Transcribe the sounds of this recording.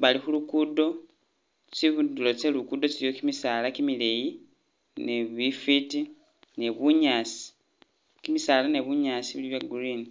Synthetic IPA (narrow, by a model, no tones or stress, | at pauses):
βalixulukudo̞ | t͡ʃiβudulo̞t͡selukud̪o̞t͡ʃilijo̞kimisaːlakimileji | ne̞βifiti | ne̞βuɲaːsi̥ | kimisaːlane̞βuɲasiβuliβjaɡuɾini